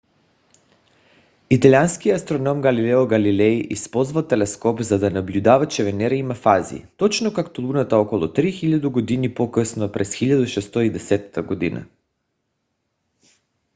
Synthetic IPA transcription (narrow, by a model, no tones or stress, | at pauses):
it̪alʲianskiast̪ɾɔnɔmɡalilɛɔɡalilɛiʔispɔzvalt̪ɛlɛskɔpzad̪anablʲud̪avat͡ʃɛvɛnɛɾaimafazḭt̪ɔt͡ʃnɔkakt̪ɔlˠunat̪aɔkɔlˠɔt̪ɾixiʎad̪uɡod̪inipokəsnopɾɛsxiʎad̪uʃɛst̪oid̪ɛsɛt̪ḁt̪aɡɔd̪ina̰